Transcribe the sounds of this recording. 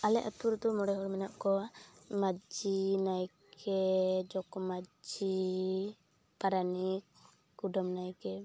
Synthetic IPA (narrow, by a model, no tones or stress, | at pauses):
alɛʔɔt̪̚puɾd̪ɔmɔɽɛɦɔɾmɛnaʔkɔmad͡ʒinajkʰɛd͡ʒɔkɔmad͡ʒi | paɾanik | ɡuɖɔmnajkɛ